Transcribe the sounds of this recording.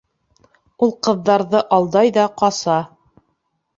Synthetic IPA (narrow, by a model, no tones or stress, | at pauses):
ulˠqɤ̆ðːɑɾðɤʔɑlˠd̪ɑjðɑqɑsɑ